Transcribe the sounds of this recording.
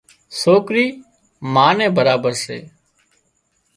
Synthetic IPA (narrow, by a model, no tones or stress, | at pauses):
soːkɾiː | maːnẽːbəɾaːbəɾsḛː